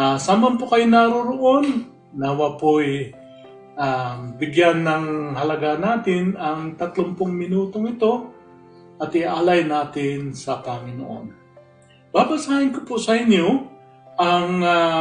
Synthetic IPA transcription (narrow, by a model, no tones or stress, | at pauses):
saːmɐmpokɐjonaɾoɾoʔo̞nː | ɐwɐpoj | ʔabɪɡjanːɐŋhɐlɐɡanaːt̪ɪnɐŋt̪ɐt̪lompʊŋmɪnuːt̪oŋɪt̪o̞ | ʔɐt̪ɪʔaːlɐjnaːt̪ɪnsɐpɐŋɪno̰ʔo̰n | baːbɐsaːhɪnkopʊsɐɪnjo | ʔɐŋ